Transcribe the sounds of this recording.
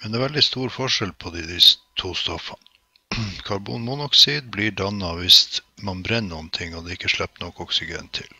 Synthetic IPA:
mɛnd̪ɛæːɾʋɛld̪ɪst̪uːɾfɔʂɛlpʰɔd̪ɪd̪ɪst̪ʰuːst̪ɔfɑn | kʰɑɾbṵːnmunɔksiːd̪̚bliːɖɑnːɑʋɪsmɑnbɾɛnnuːənt̪ʰɪŋːɔd̪ɛːɪkːəʂɭɛp̚t̪nɔkːɔksɪɡɛ̰nt̪ʰːɪ̰l

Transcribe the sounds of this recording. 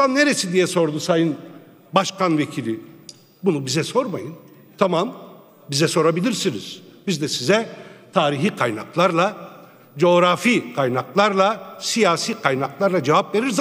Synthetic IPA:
anːe̞ɾesind̪ijɛso̞ɾd̪usajɯn | baʃkʰanvecʰilʲi | bunubizɛso̞ɾmajɯn | t̪ʰamam | bizɛso̞ɾabilʲiɾsiniz̥bizd̪ɛsizɛt̪ʰaːɾiɦiːkʰajna̰klˠaɾlˠa | d͡ʒo̞ɾafikʰajnaklˠaɾlˠasijaːsiːkʰajnaklˠaɾlˠad͡ʒevapve̞ɾiɾz

